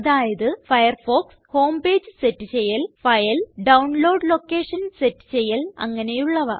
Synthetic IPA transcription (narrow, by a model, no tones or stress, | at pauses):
ɐðaːjɐðɨfɐjɐrfo̞ːksho̞ːmbe̞ːd͡ʑɨsetːɨt͡ɕejːɐlfɐjɐlɖɐwnlo̞ːɖlo̞kːeːʂɐnsetːɨ̥t͡ɕe̞jːɐlɐ̰ŋːɐne̞juɭːɐʋɐ